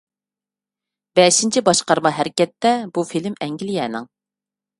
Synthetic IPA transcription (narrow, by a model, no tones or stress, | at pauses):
bɛʃint͡ʃʰibɑʃqɑɾmɑɦæɾɪkʲɛt̪ːɛbufilmɛŋɡʲilɪjɛːnɪ̰ŋ